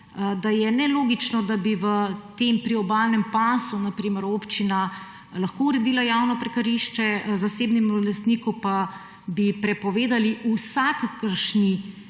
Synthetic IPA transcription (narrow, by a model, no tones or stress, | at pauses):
d̪ajɛnɛloːɡit͡ʃnɔd̪abiʋət̪empɾiɔbalnɛmpasunapɾiːməɾopt͡ʃina | lɐxkouɾɛd̪iːlajawnɔpɾɛkɐɾiʃt͡ʃɛzaseːbnɛmulɛst̪niːkupa | bipɾɛpɔʋeːd̪aliusakakəɾʃni